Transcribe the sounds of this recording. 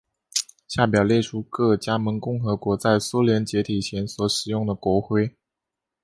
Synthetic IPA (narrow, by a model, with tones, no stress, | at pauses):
ɕja˥˩p̬jɑ˨˩ʊljɛ˥˩ʈ͡ʂʰu˥kɤ˥˩t͡ɕja˥mə˧˥nkʊ˥˩ŋxɤ˧˥kwɔ˧˥t͡sa˥˩ɪsu˥ljɛ˧˥nt͡ɕjɛ˧˥t̪ʰi˨˩t͡ɕʰjɛ˧˥nswɔ˨˧˥ʂɻ̩˨˩jʊ˥˩ŋd̪ə˩kwɔ˧˥xwe˥˩ɪ